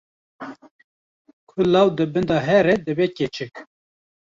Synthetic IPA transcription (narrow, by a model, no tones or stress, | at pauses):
kʰʊlɑwd̪ɨbɨnd̪ɑɦɛɾɛd̪ɨbeket͡ʃʰɨk